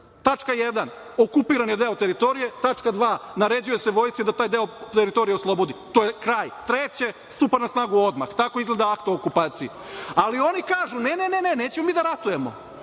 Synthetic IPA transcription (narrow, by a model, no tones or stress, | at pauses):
t̪at͡ʂkajed̪an | o̞kupiːɾanjed̪e̞ot̪e̞ɾit̪o̞ɾije̞t̪at͡ʃkad̪ʋaːnaɾe̞d͡ʑuje̞seʋo̞jsid̪at̪aːjd̪eot̪eɾit̪o̞ɾijeoslˠo̞bo̞d̪it̪oːjekɾaːjt̪ɾet͡ɕe̞st̪upanasnaːɡuo̞d̪ma̰xt̪ako̞izɡled̪aakt̪ookupaːt̪sii | alio̞nikaːʒunenenene̞neːt͡ɕemomiːd̪aɾat̪uje̞mo̰